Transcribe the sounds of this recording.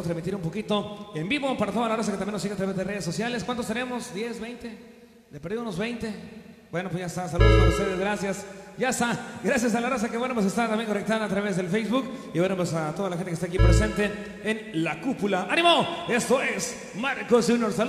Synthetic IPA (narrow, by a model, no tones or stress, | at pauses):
t̪ɾazmit̪iɾumpokit̪o̞embiβo̞paɾat̪oðalaros̬aket̪amjenosiɣeat̪ɾaβe̞zðe̞reðesːo̞sjale̞skwant̪ost̪ene̞mo̞sd̪je̞zbe̞jnt̪e | d̪epeɾðiðunozβejnt̪e̞ | bwe̞nopwezʝaest̪as̬aluðooɾst̪eðezɣɾasjasɟ͡ʝast̪aɡɾasjas̬alaras̬akeβwenopwesest̪at̪ambjeŋkonek̚t̪aðaːt̪ɾaβezðelfejzβukiβwenopwesat̪o̞ðalaxent̪ekest̪ak̬ipɾesent̪e̞ː | nlakupulaʔanimoe̞st̪o̞es | maɾko̞sʝunjoɾsa